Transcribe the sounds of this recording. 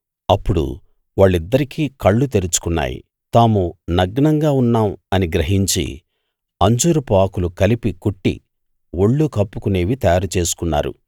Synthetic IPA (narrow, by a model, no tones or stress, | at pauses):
ɐpːuɽṵ | ʋaːɭːid̪ːɐɾikiːkɐɭːut̪̬eɾut͡ʃu̥kunːa̰ːjḭ | t̪aːmunɐɡɐɳɐŋɡaːunːaːmɐniɡɾɐɦiɲt͡ʃḭ | ɐɲd͡ʒuːɾupaːkulukɐlipikuʈːḭ | woɭːukɐpːukune̞ːʋit̪ɐjaːɾut͡ʃe̞ːsu̥kunːa̰ːɾṵ